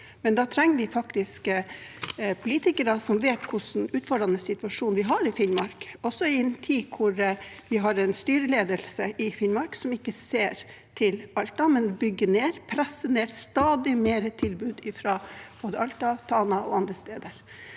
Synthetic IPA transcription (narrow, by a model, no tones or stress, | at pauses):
mɛnd̪ɑːt̪ʰɾɛŋːəʋɪfɑkt̪ɪsk | pʰʊliːt̪ɪkəɾɑsɔmʋeːt̪kʰʊʂn̩ʉːt̪fɔɖɾɑnəsɪt̪ʉɑʂuːnʋɪɦɑɾɪfɪnmɑɾkɔsːɔɪɛnt̪ʰiːkʰʊɾ | ʋɪɦɑɾɛnst̪yːɾəleːd̪əlsəʔɪfɪnmɑɾksɔmɪkːəseːɾ | t̪ʰɪlɑlt̪ɑmɛnbʏɡːəneːɾpʰɾɛsːəneːɾst̪ɑːd̪ɪmeːɾət̪ʰɪlbʉːd̪ɪfɾɑb̥oːd̪əʔɑlt̪ɑt̪ʰɑːnɑɔɑnd̪ɾəst̪eːd̪əɾ